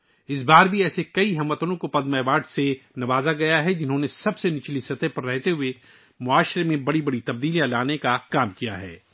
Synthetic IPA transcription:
ɪs̬baːɾbʱiɛːsekɐiɦɐmːət̪əɾõkopɐd̪mɛːʋaːɖsenɐʋaːzaɡɐjaɦɛd͡ʒɪnɦõnesɐbsenɪt͡ʃlisɐt̪əɦpɐɾːɛɦt̪eɦʊe | mʊaːʃɾemẽbɐɽibɐɽit̪ɐbd̪iːlijãlaːnekakaːmkija̰ɦɛ̰ː

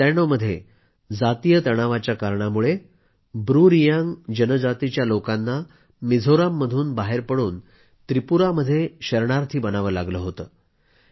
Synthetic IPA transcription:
tɛnoməd̪ʱːje | d͡zat̪ijət̪əɽ̃aʋat͡ɕjakaɾɳamuɭe | bɾuɾijaŋd͡ʑənəd͡zat̪it͡ɕjalokanːa | mid͡zʱoɾamːəd̪ʱuːnbaɦeɾpəɽuːn | t̪ɾipuɾaməd̪ʱːjeɕəɾɳaɾt̪ʰiːbənaʋəlaɡləːɦot̪əː

